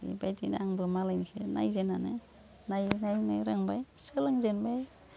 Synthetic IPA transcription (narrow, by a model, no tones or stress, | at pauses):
ḭbajdinaŋbɯmalajnikʰɯna̰jzenanɯ | najnajnaɾɯŋbajsɯlaŋzenbaj